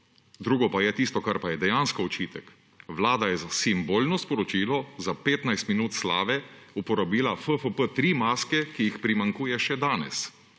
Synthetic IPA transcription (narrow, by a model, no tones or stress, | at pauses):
d̪ɾuːɡɔpajɛt̪ist̪ɔkaɾpajɛd̪ɛjanskɔɔt͡ʃiːt̪ɛk | ʋlaːd̪ajɛzasimboːlnɔspɔɾɔt͡ʃiːlɔzapeːt̪najst̪minuːt̪slaːʋɛupɔɾabiːlafəfəpət̪ɾiːmaːskɛkijixpɾimaŋkuːjɛʃɛd̪aːnɛ̰s